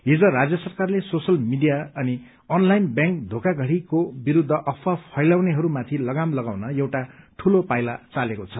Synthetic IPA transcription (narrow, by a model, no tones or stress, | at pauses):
ɦid͡zʌ̃rad͡zjʌsʌrkarlesosʌlmiɖijaʌni | ʌnlajnbjãŋk̚d̪ʱokaɡʱʌɽikobiɾud̪ʱːʌʔʌpʰːapʰʌjlawneɦʌɾumat̪ʰilʌɡamlʌɡawnʌjewʈaʈʰulopajlat͡salekot͡sʰʌ